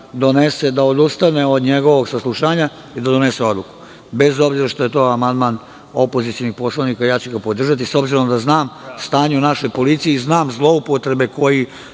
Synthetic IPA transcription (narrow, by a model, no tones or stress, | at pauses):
d̪o̞nese̞d̪aod̪ust̪ane̞o̞d̪ɲe̞ɡo̞ʋo̞ɡsaslˠuʃaːɲa | id̪ad̪o̞ne̞se̞o̞d̪luku̥ | be̞zo̞bziɾaʃt̪o̞jet̪o̞ːamand̪maːn | o̞po̞zit̪sijonixpo̞slˠaʋnikajaːt͡ɕuɡapo̞d̪r̩ʒat̪̬iso̞bziɾo̞md̪aznaːmst̪aːɲunaʃo̞jpo̞lit̪sijeiznaːmzlˠo̞upo̞t̪ɾe̞be̞ko̞ji